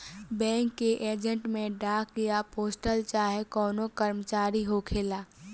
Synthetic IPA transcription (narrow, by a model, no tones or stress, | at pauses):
bɛ̃ːŋkːeʔeːd͡ʒə̃ɳʈmẽɖaːk̚ɡijapoːsʈəlt͡ʃaːɦekɔːnokəɾmət͡ʃaːɾiɦokʰeːlaː